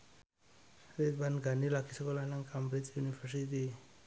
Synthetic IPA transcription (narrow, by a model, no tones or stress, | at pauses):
ɾet̪̚banɡʱanilakʰisəkolanaŋkambɾet͡sjunifəɾsit̪i